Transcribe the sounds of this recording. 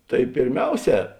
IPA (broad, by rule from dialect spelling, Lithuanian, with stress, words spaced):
tɐɪ pʲeːrʲˈmʲɛʊˌsʲɛː